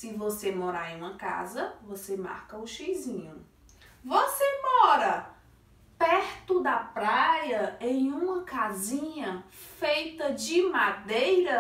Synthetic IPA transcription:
sɪvosemoɾaɾẽj̃ũmɐka̰zɐvosema̰ɾkɐʊʃejzĩɲʊ | vosemɔɾɐ | pɛɾt̪ʊd̪ɐpɾajɐẽj̃ũmɐkazĩɲɐfejt̪ɐd͡ʒɪmad̪ejɾɐ

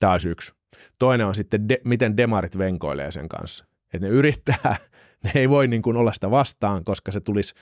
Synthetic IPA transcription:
t̪æːosyks | t̪oineonsit̪ːendemit̪endemɑɾit̪ʋeŋko̰ilḛːsḛŋkɑ̰nsːɑ | et̪neyɾit̪ːæː | neeiʋoinniːŋkunolːɑsi̥t̪æʋɑst̪ɑːŋkoskɑset̪ulis

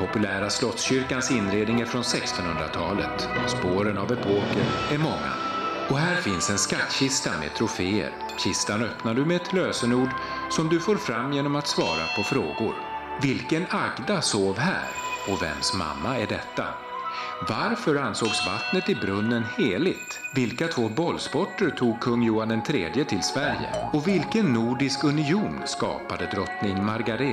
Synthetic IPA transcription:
pʰɔpɵlæːɾaslɔt̪sɕʏɾkansɪnːɾeːd̪nɪŋaɾfɾɔnsɛkst̪ɔnhɵnd̪ɾa̰t̪ʰɑ̰ːlə̰t̪ | spoːɾənavɛpʰoːkəɾæɾmɔŋːa̰ | ɔɦæːɾfɪnsɛnskat̪ːɕɪst̪anmɛ̰t̪ʰɾʊfeːə̰ɾ | ɕɪst̪anœpnaɖɵmɛɛt̪ʰløːsənuːɖ | sɔmd̪ɵfoːɾfɾamːjeːnɔmat̪svɑ̰ːɾa̰pʰɔfɾo̰ːɡʊ̰ɾ | vɪlkənaɡd̪asoːvɦæ̰ːɾɔvɛ̰msma̰mːaæɖɛt̪ːa̰ | vaɾfœɾansoːɡsva̰t̪nət̪ɪbɾɵnːənheːɭɪɡt̪vɪlkat̪ʰvoːbɔlːspɔʈːəɾʈʰuːɡ̚kʰɵŋːjuːand̪ɛnt̪ʰɾeːd̪jət̪ʰɪlsvæɾjə̰ɔvɪlkənːuːɖɪskɵnɪuːnskɑ̰ːpad̪əd̪ɾɔt̪nɪŋmaɾɡaɾe

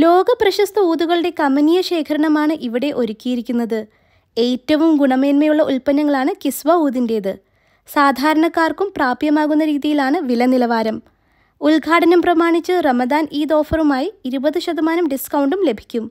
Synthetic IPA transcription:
lo̞ːɡɐprɐɕɐst̪ʰɐuːðuɣɐɭɨɽe̞kɐmɐnijɐɕe̞ːkʰɐɾɐɳɐmaːɳɨʔiʋiɽe̞ʔo̞ɾukʲːijiɾikʲːunːɐðɨ | e̞ːtːɐʋumɡuɳɐme̞ːnmɐjuɭːɐʔulpɐnːɐŋːɐɭaːɳɨkisʋɐuːðinde̞ːðɨ | saːd̪ʱaːɾɐɳɐkːaːrkumpraːbjɐmaːɣunːɐɾiːðijilaːɳɨʋilɐnilɐʋaːɾɐm | ulɡʱaːʈɐnɐmprɐmaːɳit͡ɕːɨrɐmɐd̪aːniːd̪o̞ːfɐrumaːjiiɾubɐðɨɕɐd̪ɐmaːnɐmɖiskɐwɳɖumle̞bʱi̥kʲːum

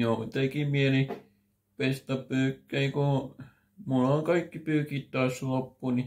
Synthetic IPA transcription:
joːmut̪ekimieli | pest̪ɑpyːkːeiku | mulːoŋkɑikːipyːkit̪t̪ɑːˑslopːuni

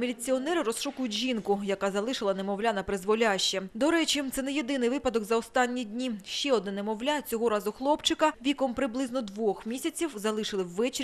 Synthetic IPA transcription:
mʲelʲit͡sʲiɔnɛɾɪɾɔsʃɔkʊjʊtʲʒʲinkʊjɐkɑzɐlˠɪʃɪlˠɐnemɔwlʲanɐpɾɪzʋɔlʲaʃt͡ʃːɛd̪ɔɾɛt͡ʃit̪sɛnɛjed̪ɪnɪjʋɪpɐd̪ɔɡzɐɔst̪ɑnʲːidʲnʲiʃt͡ʃɛɔd̪nɛnɛmɔwlʲat͡sʲɔɦɔɾɑzʊxlˠɔpt͡ʃɪkɐʋʲikɔmpɾɪblˠɪznɔd̪ʋɔxmʲisʲɐt͡sʲiwzɐlˠɪʃɪlˠɪwːɛt͡ʃɪ

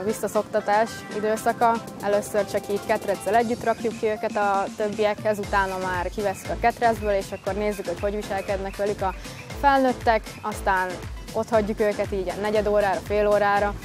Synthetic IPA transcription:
vʋisːɒso̞kt̪ɒt̪aːʃ | id̪øːsɒkɒ | ɛløsːørt͡ʃɒkiːt̪kɛt̪rɛd̪zːɛlɛɟːyt̪rɒkjukːiøːkɛt̪ɒt̪ø̞bːijɛkhɛzut̪aːnɒmaːrkivɛsy̥kɒkɛt̪rɛzbøːleːʃɒkːo̞rneːzːykho̞cho̞ɟʋiʃɛlkɛd̪nɛkʋɛlykɒ | fɛlnøt̪ːɛk | ɒst̪aːn | o̞t̪hɒɟːukøːkɛt̪iːɟnɛɟɛd̪oːɾaːɾɒfeːloːɾaːɾɒ

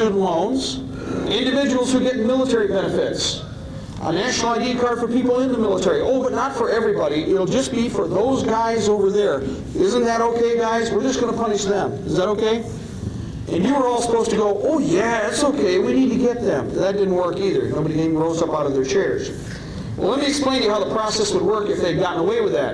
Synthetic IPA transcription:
ʉdⁿn̩tˡlõʊ̃nz̥ | ɪ̃ndɨvɪd͡ʒəwl̩ˠz̥hʉɡɛtnmɪlˠətʰɛɹibɛnɨfɪts | ʔə̰næʃnl̩ˠaɪdiɨkʰɑɹd̥fə˞pʰipl̩ˠɪ̃nðəmɪlˠətʰɛɹiʔoʊbʌtⁿnətfə˞ɛvɹibɑɾiʔɪɾl̩ˠd͡ʒʌsb̥ifə˞ðoʊzɡaɪzoʊvə˞ðə˞ | ɪzə̃nðɨɾoʊkʰeɪɡaɪzwəɹd͡ʒʌsɡ̥ʌnəpʰʌnɨʃðə̃mɨzðəɾoʊkʰeɪ | ʔɨ̃njɨwə˞ɔlˠsə̥pʰoʊz̥tɨɡoʊʔoʊjæætsoʊkʰeɪwinid̚tɨɡɛt̪̚ðɨ̃mðɨt̚d̥ɪdⁿn̩ʔ̚wɜ˞kiðə̰˞noʊbɨɾiɡẽɪ̃mɹoʊzʌpaʊɾʌvðə˞t͡ʃʰɛɹz̥ | ɛlɛt̚miɨksplẽɪ̃njɨhaʊðəpʰɹ̥ɔsɛswəd̚wɜ˞kɨfðeɪd̚ɡɑʔn̩əweɪwɨðæ̰t̚

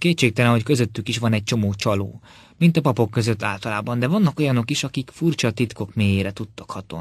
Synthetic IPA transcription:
keːt͡ʃeːk̚t̪ɛlɛnɦo̞ckø̞zøt̪ːykiʃʋɒnɛɟ̚t͡ʃomoːt͡ʃɒlo̰ː | mint̪ɒpɒpo̞kːø̞zøt̪ːaːlt̪ɒlaːbɒnd̪ɛvɒnːɒko̞jɒno̞kiʃɒkikfurt͡ʃɒt̪it̪ko̞kmeːjeːɾɛt̪ut̪ːɒ̥khɒt̪o̰n

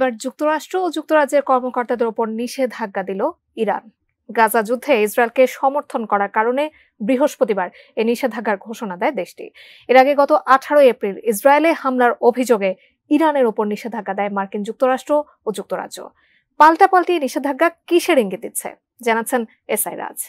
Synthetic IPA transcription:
ebaɾd͡ʑuk̚t̪oɾaʃʈɾood͡ʑuk̚t̪oɾad͡ʑeɾkɔɾmokoɾt̪ad̪eɾupoɾniʃed̪ʱaɡːad̪ilo | iɾa̰n | ɡazad͡ʑud̪ʱːeisɾaelkeʃɔmoɾt̪ʰonkɔɾaɾkaɾone | bɾiɦoʃpɾot̪ibaɾ | eniʃed̪ʱaɡːaɾɡʱoʃonad̪ɛed̪eʃʈḭ | eɾaɡeɡɔt̪oʔaʈʰaɾoepɾilis̬ɾaelehamlaɾobʱid͡ʑoɡe | iɾaneɾupoɾniʃed̪ʱaɡːad̪ɛemaɾkind͡ʑuk̚t̪oɾaʃʈɾo | od͡ʑuk̚t̪oɾa̰dd͡ʑo̰ | palʈapalʈieniʃed̪ʱaɡːakiʃeɾiŋɡid̪it̪ːɕʰḛ | d͡ʑanatːt͡ɕʰen | esajɾa̰d͡ʑ

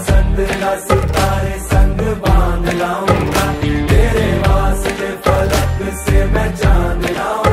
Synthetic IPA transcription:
sə̃nd̪laːsɪt̪aːɾesɐ̃ŋɡbãːnd̪laːũːɡ̪aːmeːɾeʋaːsd̪epɐləksemɛ̃ːt͡ʃaːnd̪lãː

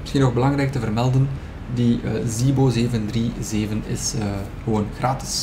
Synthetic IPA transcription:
mɪsxinɔɣbəlɑŋrɛjk̚təvərmɛlˠdən | diziːboːzeːvəndriːzeːvənɪ̰sə | ɣəʋoːnɣraːtɪ̥s

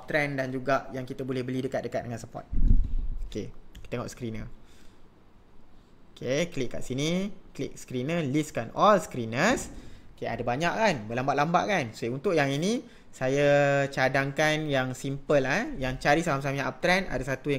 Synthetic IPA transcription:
ap̚t̪ɾɛndand͡ʒuɡaʔjaŋkit̪əbolɛhbəlidəkat̪̚dəkat̪̚dəŋansəpɔ̰t̪̚okekt̪eŋɔ̰ʔskɾinə̰ | okʰeklik̚kːaʔsiniklḭk̚skɾinəliskanɔlskɾinəsokea̰dabaɲaʔkanbəlambaʔlamba̰ʔkanseunt̪ʊʔjaŋini | sajat͡ʃadaŋkanjaŋsimpəlajaŋt͡ʃaɾisalamsamãap̚t̪ɾɛna̰dasat̪uja

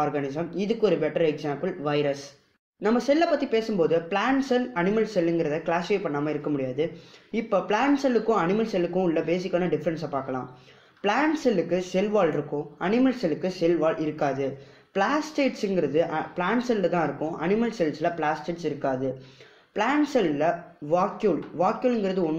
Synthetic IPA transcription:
aːɾɡɐnɪsɐmɪðɯkːɯɔɾɯbɛʈːɐɾɛksaːmpɯlʋɐɪɾɐs | nɐmːɐsɛlːɐpːɐt̪ːipeːsɯmpoːðɯpɭaːɳsɛlɐnɪmɐlsɛlːɪŋɡɪɾɐðɐklaːsɪfeːpɐɳːaːmaːɪɾɯkːɐmʊɽɪjaːðɯɪpːoːpɭaːɳsɛlːɯkːʊ̃ɐnɪmɐlsɛlɯkːʊ̃ɪlːɐbeːsɪkːaːnɐɖɪfɐɾɐnsɐpaːkɐlã̰ː | pɭaːɳsɛlːɯkːɯsɛlʋaːlɪɾɯkːʊ̃ɐnɪmɐlsɛlɯkːɯsɛlʋaːlʔɪɾɯkːaːðɯ | pɭaːsʈeːʈsɪŋɡɪɾɐðɯʔɐpɭaːɳsɛlːɐt̪ãːɪɾɯkːʊ̃ʔɐnɪmɐlsɛlslɐpɭaːsʈeːʈsɪɾɯkːaːðɯ | pɭaːɳsɛllɐʋaːkjuːlʋaːkjuːlɛŋɡɪɾɐðɯɔnː

